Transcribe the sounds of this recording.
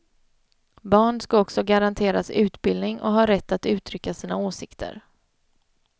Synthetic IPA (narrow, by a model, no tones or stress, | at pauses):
bɑːɳskaɔksɔɡaɾant̪ʰeːɾasʉ̟ːt̪bɪld̪nɪŋɔ̰ɦɑːɾɛt̪ːat̪ʉ̟ːt̪ʰɾʏkːasiːnaoːsɪkt̪ʰə̰ɾ